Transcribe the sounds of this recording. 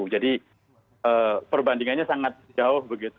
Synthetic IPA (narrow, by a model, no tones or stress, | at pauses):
ud͡ʒadi | əːpərbandiŋanɲasaŋat̪̚d͡ʒaʊhbəɡit̪